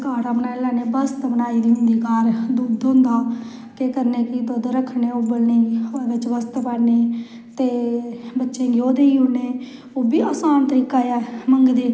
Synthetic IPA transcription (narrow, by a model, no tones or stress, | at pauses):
kaːɽaːbənaːɪlaːneːbəst̪bənaːiːd̪iːɦʊ̃nd̪iːkaːɾd̪uːd̪ɦõnd̪aː | kekəɾneːkɪt̪oːd̪ɾəkʰːneːobəlneːʋɪt͡ʃbəst̪pəɽneː | t̪eːbətːʃẽːɡɪoːd̪eːiːɦʊneː | oːbiːaːsaːnt̪əɾiːkaːjaːməŋɡd̪iː